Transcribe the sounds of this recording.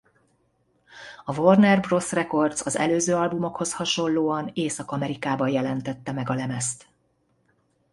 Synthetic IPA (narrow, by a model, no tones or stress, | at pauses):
ɒvornɛrbro̞srɛko̞rd̪sɒzɛ̰løːzøːɒlbumo̞kho̞shɒʃo̞lloːɒneːsɒkɒmɛɾikaːbɒjɛlɛnt̪ɛt̪ːɛmɛɡɒlɛmɛst̪